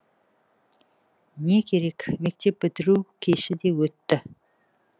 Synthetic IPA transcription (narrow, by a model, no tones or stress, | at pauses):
ne̞kʲʰe̞ɾe̞kʲme̞k̚t̪e̞p̚bɪt̪ɪɾukʲʰeʃɪd̪e̞wɵt̪ːɪ